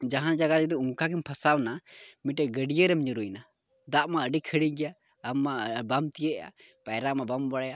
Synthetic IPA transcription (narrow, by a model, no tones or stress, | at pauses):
d͡ʒaɦãd͡ʒaɡaɾɛd̪ɔuŋkakimpʰasawnamiʈɛɡəɖijəɾɛmiɲuɾujna | d̪aʔmaəɖikʰəɽiɡɛjaː | mːabamt̪ijəʔa̰ | pajɾamabambaɽja